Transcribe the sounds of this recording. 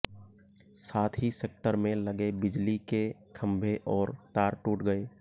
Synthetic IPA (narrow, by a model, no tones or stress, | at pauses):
saːt̪ʰɦiseːk̚ʈəɾmẽləɡebɪd͡ʒlikekʰə̃mbʱeʔɔːɾt̪aːɾʈuːʈɡəeː